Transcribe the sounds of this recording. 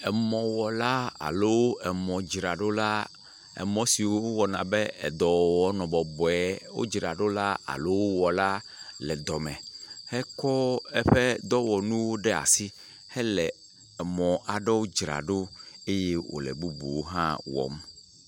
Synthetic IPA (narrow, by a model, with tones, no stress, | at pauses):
ɛ˨mɔ̃˨wɔ˨la˦a̰˨lo˦wo˦ɛ˨mɔ̃˨d͡ʒɾa˨ɖo˦la˦ | ɛ̰˨mɔ̃˦si˨wo˦o˦wɔ˨nã̰˨bɛ˦ɛ̰˨d̪ɔ˨wɔ˦nɔ̃˨bɔ˨bɔ˨ɛ˨wo̰˦d͡ʒɾa˨ɖo˦la˦a̰˨lo˦wo˦wɔ˨la˦ | lɛ˨d̪ɔ˨mɛ̃˨hɛ˦kɔ˦ɛ˦ɸɛ˦d̪ɔ˦wɔ˨nũ˦wo˦ɖɛ˦a̰˨si˦ | hɛ˦lɛ˨ | ɛ˨mɔ̃˨ʔa˨ɖɛ˦wo˦d͡ʒɾa̰˨ɖo˦e˦je˦wo̰˨lɛ̰˨bu˦bṵ˨wo˦ɦã̰˦wɔ̰˨m